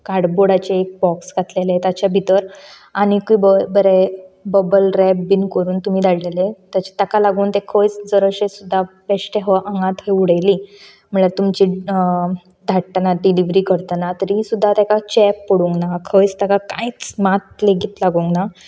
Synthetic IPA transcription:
kaɽboɽat͡ɕeːk̚bɔksɡʱat̪lelet̪at͡ɕabʱit̪əɾ | añikuibəbəɾebəbəlɾɛbbinkəɾuːnt̪um̤iːd̪ʱaɽlelet̪jat͡ɕe̥t̪akalaɡuːnt̪ekʰəjt͡sd͡zəɾəɕesud̪ʱːapɛɕʈeɦəʔãŋɡãt̪ɦeuɽəjli | m̤əɳaɾt̪umt͡ɕiː | d̪ʱaʈ̚ːənaɖiliʋɾiːkəɾt̪anat̪əɾisud̪ʱːat̪akat͡ɕɛpːəɽuŋɡnakʰəjt͡st̪əkaka̰it͡smat̪̚leɡit̪laɡuŋɡna

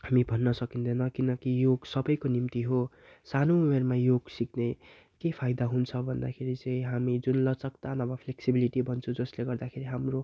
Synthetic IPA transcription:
hamibʱʌnːʌsʌkind̪ʌnʌkinʌkijoɡsʌbʌjkonimt̪iɦo | sanomermajoɡsikne | kepʰajd̪aɦunt͡sʰʌbʱʌnd̪a̰kʰeɾit͡sʌĩɦamid͡zunlʌt͡sʌkt̪anʌbʌpʰleksibiliʈibʱʌnt͡sʰũd͡zʌsleɡʌrd̪akʰeɾiɦamro

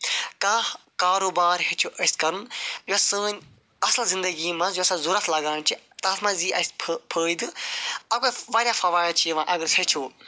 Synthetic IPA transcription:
kakaːɾoːbaːɾɦet͡ʃʰuʔɐskɐɾɨnjosɨ̃ːnʲ | ɐslzind̪ɐɡiːmãzɐsãzuɾɐt̪ʰlɐɡaːnt͡ʃʰit̪aːt̪ʰmãziːʔɐspʰpʰəːid̪ɨɐkoʋaːɾʲjaːfɐʋaːjlt͡ʃʰiʋãʔɐɡəɾsʰɐt͡ʃʰoː

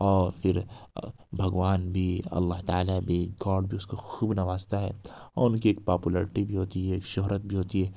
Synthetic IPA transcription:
ɔːɾfʰɪɾ | bʱɐɡʋaːnbʱiɐ̰lːaɦt̪aaːlabʱek̚ɡɔːɖbʱiʊskoxuːbnɐʋaːzt̪aɦɛ̰ːɔ̰ːɾʊnkieːk̚paːpuləɾɪʈibʱiɦoːt̪iɦɛeːkʃoɦɾət̪̚bʱiɦoːt̪iɦɛː

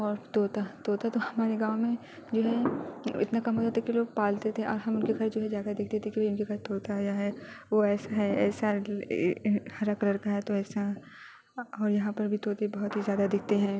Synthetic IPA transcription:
ɔːɾt̪oːt̪at̪oːt̪at̪ohɐmaːɾeɡãːʊmẽ | d͡ʒoːɦɛɪ̰t̪nakɐmɦoːd͡ʒaːt̪ʰakiloːɡ̚paːlt̪et̪ʰẽʔɔːɾɦɐmʊnkeɡʱɐɾd͡ʒoːɦɛd͡ʒaːkɐd̪ɪkʰt̪et̪ʰẽkibʱiʊnkeɡʱɐɾt̪oːɾt̪ajaɦɛʋoɛːsaɦɛɛ̰ːsa | hɐɾakɐləɾkaɦɛt̪oɛːsa | ɔːɾjɐɦãpɐɾbʱit̪oːt̪ebɐɦʊt̪ɦizjaːd̪ad̪ɪk̚ʰt̪eɦɛ̃ː

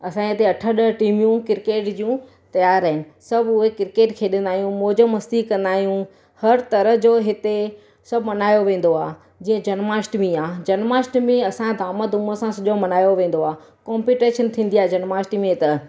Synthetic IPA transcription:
ɐsãːɐt̪eɐʈʰəɗəʈiːmjũkɪɾkeːʈd͡ʑiũ | t̪ɐjaːɾəɦɪnɪ̆sɐbʱʊɦekɪɾkeːʈkʰeːɗə̃nd̪aːɦijũmoːd͡ʑəmɐst̪ikːɐ̃nd̪aːɦijũ | hɐɾt̪ɐɾəɦd͡ʑoːɦɪt̪e | sɐbʱmɐnaːjoʋẽːn̆d̪oaː | d͡ʑiːə̃d͡ʑɐnmaːsʈmĩaːd͡ʑɐnmaːsʈmẽɐsãd̪ʱaːməd̪ʊməsãsɐʄomɐnaːjoʋẽːn̆d̪oaː | kɔːmpiːʈeːʃənt̪ʰĩːn̆d̪iaːed͡ʑɐnmaːsʈmẽt̪ɐ

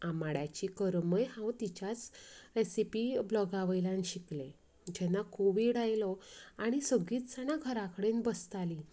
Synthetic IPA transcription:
amaɽjat͡ɕikəɾməjɦãwt̪it͡ɕjat͡sɾesipiblɔɡaʋəjlãnɕikle | d͡ʑɛnːakʰoʋiːɽajlɔaɽ̃isəɡiːt̪sañaɡʱəɾakəɽenbəst̪ali

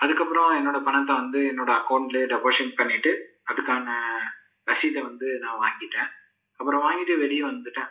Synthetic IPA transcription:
ɐðɯkːɐpːɯɾɔ̃ɛnːoːɽɐpɐɳɐt̪̬ːãːʋɐnd̪ɯɛnːoːɽɐːkɐʊɳʈlɯɖɛʋoːʂɐnpɐɳːɪʈːɯ | ɐðɯkːaːnɐ | ɾɐsɪlɐʋɐnd̪ɯnãːʋaːŋɡɪʈːẽː | ɐpːɯɾɔ̃ʋaːŋɡɪʈːɯʋɛlɪjɐ̃ʋɐnd̪ɯʈːẽː

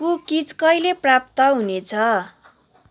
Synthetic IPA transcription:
ukit͡skʌjleprap̚t̪ʌɦunet͡sʰʌ

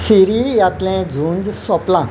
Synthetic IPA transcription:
siɾijat̪lẽd͡zʱũːnd͡zsɔplã

